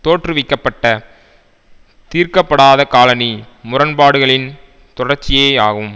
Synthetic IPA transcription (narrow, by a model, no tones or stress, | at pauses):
t̪oːʈrɯʋɪkːɐpːɐʈːɐ | t̪iːɾkɐpːɐɽaːðɐkaːlɐni | mʊrɐnpaːɽɯɣɐɭɪn | t̪ɔɽɐrt͡ʃːɪjeːaːɣɯm